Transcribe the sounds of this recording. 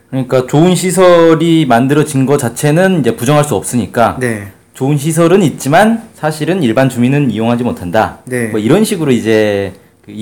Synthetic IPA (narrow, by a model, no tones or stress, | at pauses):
kɯɾʌɲik͈at͡ɕoɯnɕʰisʰʌɾimandɯɾʌd͡ʑinɡʌt͡ɕat͡ɕʰe̞nɯnind͡ʑe̞pud͡ʑʌŋɦaɭs͈uʌp̚s͈ɯɲik͈ane | t͡ɕoɯnɕ̬ʰis̬ʰʌɾɯnit̚t͡ɕ͈imansʰaɕʰiɾɯniɭbant͡ɕuŋinɯnijoŋɦad͡ʑimotʰandanemʌiɾʌnɕʰiɡɯɾoid͡ʑe̞ | kɯ